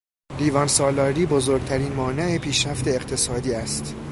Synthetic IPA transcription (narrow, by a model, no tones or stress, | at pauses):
liːvɒnsɒːlɒɾiːbozoɾɡ̚t̪ʰæɾiːnmɒːneepʰiːʃɾæft̪ʰe̞ːqt̪ʰe̞sɒːd̪iːæst̪